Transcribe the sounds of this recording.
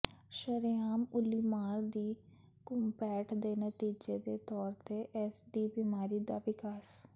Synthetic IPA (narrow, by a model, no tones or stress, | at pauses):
ʃəɾjaːmʊliːmaːɾd̪iː | kʊmpɛːʈʰd̪eːnət̪iːd͡ʒeːd̪eːt̪ɔːɾt̪eːʔɛsd̪iːbiːmaːɾiːd̪aːʋɪkaːs